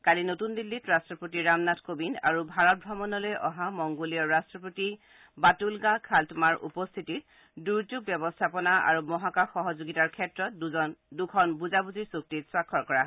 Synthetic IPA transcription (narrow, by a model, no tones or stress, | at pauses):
kalinotundilːitɹastɹɔpotiɹamnatkobina̰ɹubʱaɹɔt̚bʱɔmɔnɔlojʔɔɦamɔŋɡoliɔɹastɹɔpoti | batulɡakʰaltmaɹʔṵpɔst̪ʰitit | duɹzuɡ̚bjɔbɔstʰapɔnaʔa̰ɹumɔɦakaxɔɦɔzoɡitaɹkʰɛtɹɔtdɔndukʰɔnbuzabuziɹsuk̚titswakʰːɔɹkɔɹa